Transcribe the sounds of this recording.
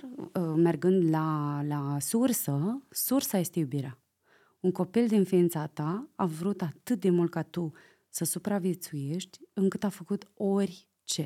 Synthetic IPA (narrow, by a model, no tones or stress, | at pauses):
me̞rɡɨnd̪lalasursəsursaje̞st̪e̞jubiɾea | uŋko̞pild̪infiint̪sat̪aavɾut̪at̪ɨt̪̚d̪e̞mult̪̚kat̪u | səsupɾavje̞t̪suje̞ʃt̪ʲɨŋkɨt̪afəkut̪o̞rʲ | t͡ʃe̞